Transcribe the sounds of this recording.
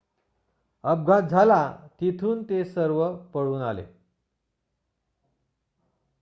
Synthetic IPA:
əb̚ɡʱat̪̚d͡zʱalat̪it̪ʰuːnt̪esəɾʋəpəɽuːnalḛ

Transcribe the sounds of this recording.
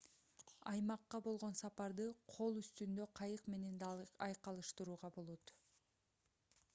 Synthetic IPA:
ɑjmɑqːɑbo̞lˠʁo̞nsɑpɑɾd̪ɯqʰo̞lˠyst̪ynd̪ø̞qʰɑjɯqme̞ne̞nɑjqɑlˠɯʃt̪ɯɾuːʁɑbo̞lˠo̞t̪

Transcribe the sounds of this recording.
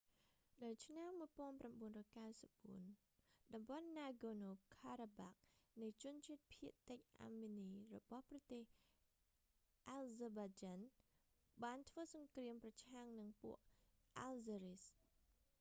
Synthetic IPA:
ɗawt͡ɕʰnamːuəjpoənpramɓuənrɔːjkawsəp̚ɓuən | ɗɑmɓɑnːaːɡoːnoːkʰaːɾaɓak̚nɨjt͡ɕʊ̆ənt͡ɕiət̪̚pʰiəʔt̪ːɨc̚ʔa̰mːiniːrɔɓɑhprɑt̪eːh | ʔalzəːɓad͡ʑaːn | ɓaːnt̪ʰʋəːsɑŋkriəmprɑt͡ɕʰaŋnɨŋpṵəʔʔalzaɾis

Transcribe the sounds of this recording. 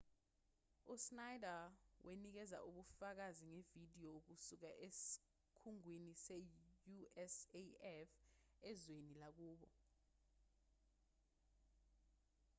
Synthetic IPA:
usnajdawʔenik̬ɛza̰ʔuɓufak̬aziŋevid̥ʱijɔuk̬usuk̬aʔesi̥ | kʰuŋwinisejuɛseɛfɛzwenilak̬uːɓɔ̰

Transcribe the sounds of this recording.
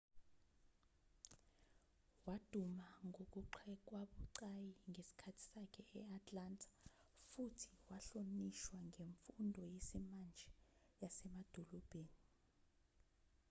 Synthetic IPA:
wad̥ʱumaŋʱok̬uǃʰɛk̬ʼwaɓuǀajiŋesi̥kʰatʰi̥sakʰɛɛatʼlantʰḁ | futʰi̥waɬoniʃwaŋʱeɱfundʱɔjesimand͡ʒʱɛ | jasɛmad̥ʱɔlɔb̥ʱeːni

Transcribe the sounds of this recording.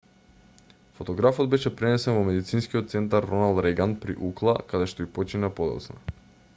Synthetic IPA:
fɔt̪ɔɡɾafɔd̪̚bɛʃɛpɾɛnɛsɛnvɔmɛd̪it̪sinskiɔt̪̚t̪sɛnt̪̬aɾːɔnalˠd̪ɾɛɡanpɾḭʔuklˠakad̪ɛʃt̪ɔipɔt͡ʃinapɔd̪ɔ̰t̪sna

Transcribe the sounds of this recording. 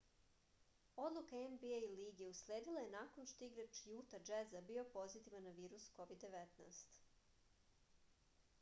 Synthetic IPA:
o̞d̪lˠukaenbiejliːɡeusleːd̪ilˠaje̞naːko̞nʃt̪oiɡɾat͡ʃjuːt̪ad͡ʒezabio̞po̞zit̪iʋanːaʋiːɾusko̞ʋid̪ːe̞ʋet̪naːst̪

